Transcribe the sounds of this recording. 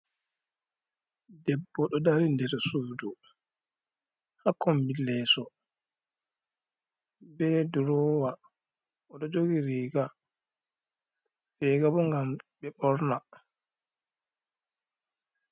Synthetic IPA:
dɛbːɔɗɔdaɾindɛɾsuːdu | hakʰːɔmbilːɛsɔ | bɛduɾɔːwa | ɔɗɔd͡ʒoɡiɾiːɡa | sɛɡabɔŋɡambɛɓɔɾna

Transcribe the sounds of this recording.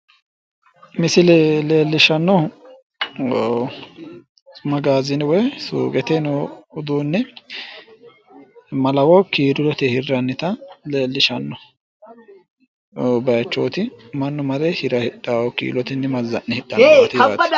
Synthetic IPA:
mɪsɪlle̞ːlːɪʃɐnːɔ | t͡sʼʊmɐɡaːzɪnwɛjsṵːkʼɛt̪ɛnɔʊd̪uːnːɛ | mɐlɐwɔkiːɾɪlɔt̪ɛhɪrːɐnːɪt̪ɐleːlːɪʃɐnːɔ | bɐjɐt͡ʃːo̰ːt̪ɪmɐnːʊmɐɾɛhɪɾɐhɪᶑaːwɔkḭːlɔt̪ɪnːɛmɐzːɐ̰nːɛhɪɗɐt̪ɪɐ̰t

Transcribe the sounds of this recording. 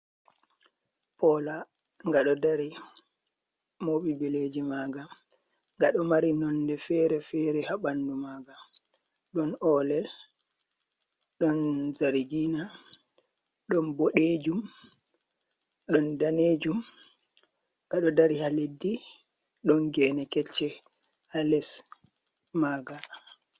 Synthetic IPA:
pɔla | ŋɡaɗɔdaɾi | moɓibiled͡ʒimaːɡa | ŋɡaɗɔmaɾinɔndɛfɛɾɛfɛɾɛhaɓandumaːɡa | ɗɔnɔːlɛl | ɗɔnzaɾiɡina | ɗɔnboɗeːd͡ʒum | ɗɔndaneːd͡ʒum | ɡ̥aɗɔdaɾihaledːi | ɗɔnɡɛːnɛkɛt͡ʃːɛ | alɛs | maːɡa

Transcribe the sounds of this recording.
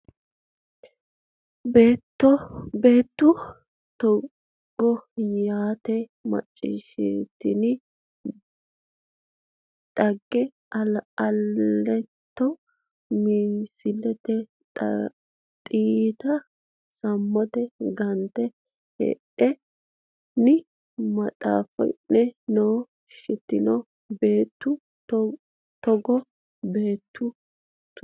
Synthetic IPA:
be̞ːt̪ːɔbe̞ːt̪ːʊ | t̪ɔ | ɡ̥ːɔjaːt̪ɛmɐ̰t͡ʃʼːɪ̰ʃɪt̪ːɪnɪ | ᶑɐɡːɛ | ɐlːɛt̪ːɔ | misɪlɛt̪ɛ | tʼ | t̪ʼiːt̪ɐ | sɐmːɔt̪ɛɡɐnt̪ːɛ | hɛ̰ʔɛ | nɪ | mɐt̪ʼa̰ːfɔ̰nːɛnoː | ʃɪt̪ːɪnɔ | beːt̪ːʊ | t̪ɔɡɔ | beːt̪ːʊ | t

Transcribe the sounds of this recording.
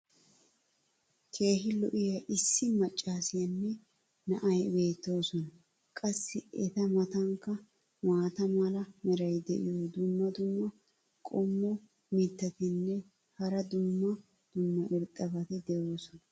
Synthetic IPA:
kʰe̞ːhɪlɔ̰ʔɪjɐʔɪsːɪmɐt͡ʃʼːaːsɪjɐnːɛ | nɐʔɐjbe̞ːt̪ːo̞ːsɔnɐ | kʼɐsːɪɛt̪ɐmɐt̪ɐŋkːɐ | maːt̪ɐmɐlɐmɛɾɐjd̪ɛʔɪ̰jod̪ʊmːɐd̪ʊmːɐ | kʼɔmːɔ | mɪt̪ːɐt̪ɪnːɛ | hɐɾɐd̪ʊmːɐ | d̪̥ʊmːɐʔɪɾt̪ʼːɐbɐt̪ɪd̪ɛjo̞ːsɔnɐ

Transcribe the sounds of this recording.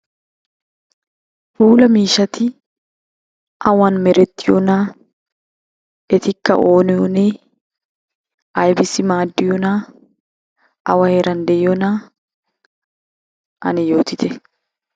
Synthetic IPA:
fuːlɐmiːʃɐt̪ɪ | ʔɐwanmɛɾɛt̪ːɪjɔnaː | ɛt̪ɪkːɐ̰ʔoːnɛɔneː | ʔɐjbɪsɪmaːd̪ːɪjɔnaː | ʔɐ̰wɐheɾɐnd̪ɛjɔnaː | ʔɐ̰nɪjo̞ːt̪ɪt̪ɛ

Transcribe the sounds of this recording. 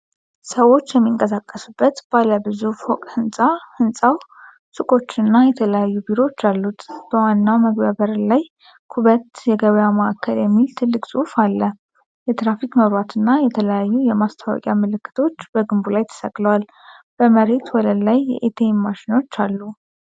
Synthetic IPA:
səwo̞t͡ʃːjɛmːiŋkʼəsakʼːəsubːət̪b̥aləbɨzufokʼhɨnsʼahɨnsʼaw | sʼɨkʼo̞t͡ʃːɨnːajɛt̪ʰələjajːubiɾo̞t͡ʃːalːut̪b̥əwanːawməɡbəβəɾlaj | kʰuβət̪jɛɡəβəjaməʔakʰːəljɛmːilt̪ʰɨlːɨkʼsʼuhfalːə | jɛt̪ɾafikʼməβɾwat̪ʰɨnːajɛt̪ʰələjajːujɛmast̪ʰawɔ̰kʼjamɨlɨkːɨ̥t̪ʰo̞t͡ʃːb̥əɡɨmbulajt̪ʰə̥səkʼləwal | b̥əməɾe̞t̪wɔləlajːɛ̰ʔet̪ʰemmaʃino̞t͡ʃːalːu

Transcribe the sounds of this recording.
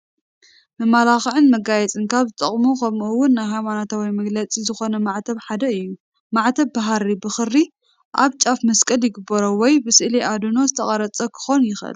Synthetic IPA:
mɨmːalaxɨʕɨnmɐɡajɛt͡sʼɨnkʰaβzɨt̪ʼɐχʼmukʰɐmuwʊnːajɦajmanat̪ʰawimɐɡlɐt͡sʼizɨxo̞nɐmaʕt̪ʰɐβħad̪ɐɨjːu | maʕt̪ʰɐβːaɦaɾibɨxɨɾːi | ʔaβt͡ʃʼafmɐskʼɐljɪɡɨbːɐɾowɔjbɨsɨʔliʔad̪ɨno̞zɨt̪ʰɐχʼɐɾɐt͡sʼɐkʰɨ̥xonjɪxʔɨ̰l

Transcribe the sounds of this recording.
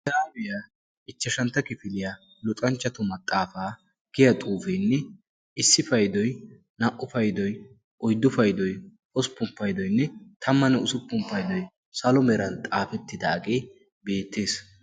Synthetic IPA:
saːbɪja | ɪt͡ʃːɐʃɐnt̪ːɐkɪfɪlɪja | lʊt̪ʼɐnt͡ʃːɐt̪ʊmɐt̪ʼːaːfaː | ɡ̥ɪjɐt̪ʼuːfejnːɛ | ɪsːɪfɐjd̪ɔj | nɐʔʊfɐjd̪ɔj | ʔɔjd̪ːʊfɐjd̪ɔj | ɔsʊ̥pːʊmpːɐjd̪ɔjnːɛt̪ʰɐmːɐnɛʊsʊpːʊmpːɐjd̪ɔj | sɐlɔmɛɾɐnt̪ʼaːfɛt̪ːɪd̪ɐɐkʼeː | be̞ːt̪ːe̞ːs

